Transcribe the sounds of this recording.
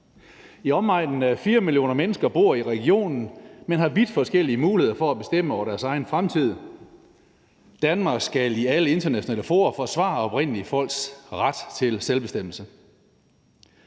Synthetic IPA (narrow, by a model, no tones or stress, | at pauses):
iɒ̽mɑ̈ɪ̰d̥n̩æfiːɐmiljo̝̰ːnɐmenəsɡ̥ɐb̥o̝ɐ̰iʁɛɡ̥io̝̰ːnn̩menɦɑ̈ʋid̥fɒ̽sɡ̥el̰iəmuːlie̝ð̞̰ˠɐfɒæb̥e̝sd̥em̰əɒʊɐɾ̥æɐsɑ̈ɪn̩fʁamt͡sʰið̞̰ˠ | d̥ænmɑ̈ːɡ̥sɡ̥æliæləe̝nd̥ɐnæɕonɛ̰ːləfo̝̰ːɐfɒ̽sʋɑ̰̈ɒ̽b̥ʁɛn̰əliəfɒ̽l̰ɡ̥sʁad̥t͡sʰe̝lselb̥e̝sd̥em̰l̩sə